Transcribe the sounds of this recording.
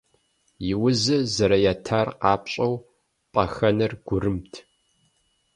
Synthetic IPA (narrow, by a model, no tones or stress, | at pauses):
jɪwʊzɨzɐɾɐjatʰaːrqɑːpɕʼɐw | pʼɐxɐnɐrɡ̥ʷʊrɨmtʰ